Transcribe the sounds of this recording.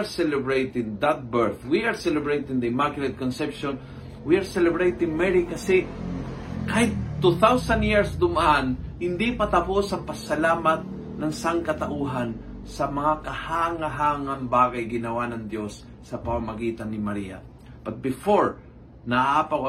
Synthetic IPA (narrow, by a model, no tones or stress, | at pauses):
aɹsɛlɛbɹejt̪ɪ̃ŋd̪at̪̚bɛɹθwiaɹsɛlɛbɹejt̪ɪ̃ŋd̪ɐɪmakɪlɛd̪̚kɔnsɛpʃɔ̃n | wiaɹsɛlɛbɹejt̪ɪ̃ŋmɛɹikɐsɛ | kahɪt̪̚t̪ːuθawsand̪jiɹsd̪ʊmʔanhɪnd̪ipɐt̪ɐposɐŋpɐsɐlaːmat̪̚ | nɐŋsaŋkɐt̪ɐʔuɦan | sɐmɐŋakɐhaːŋaɦaːŋanbaːɡajɡɪnɐwanɐŋd̪jo̞sː | ɐpɐmamɐɡiːt̪ɐnːɪmɐɾiːa̰ | pɐt̪̚bɪfoɹ | nɐaːpawa